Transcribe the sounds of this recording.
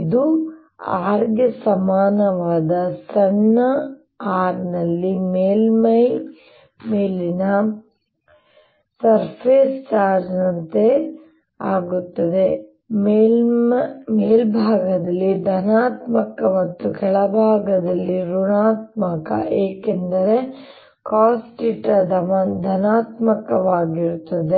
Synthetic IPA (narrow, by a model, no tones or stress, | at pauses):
id̪u | aːɾɡjɐsɐmaːnɐʋaːd̪ɐsɐɳːɐ | aːɾnɐlːimeːlmɐj | meːlinɐ | sɐɾpʰeːst͡ʃaːɾd͡ʒnɐnt̪e | aːɡut̪ːɐd̪e | meː | meːlbʱaːɡɐd̪ɐlːid̪ʱɐnaːt̪mɐkɐmɐt̪ːukɛɭɐbʱaːɡɐd̪ɐlːiɾuɳaːt̪mɐkɐ̰ʔeːkend̪ɐɾe | kaːsʈiʈɐd̪ɐmɐd̪ʱɐnaːt̪mɐkɐʋaːɡiɾut̪ːɐd̪e